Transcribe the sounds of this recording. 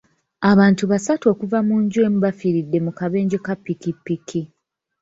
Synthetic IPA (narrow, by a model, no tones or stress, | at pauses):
aβaːntuβasato̞ːkuvamuːɲɟwe̞ːmuβafiɾidːe̞mukaβe̞ːɲɟekapːikipːikʰi